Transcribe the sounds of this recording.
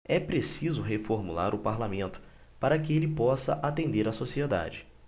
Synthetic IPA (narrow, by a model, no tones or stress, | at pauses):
ɛpɾesizʊɦefoɾmula̰ɾʊpaɾlamẽnt̪ʊ̥ | paɾɐkɪelɪpɔsɐ̰ʔat̪ẽnd̪eɾɐsosied̪a̰d͡ʒɪ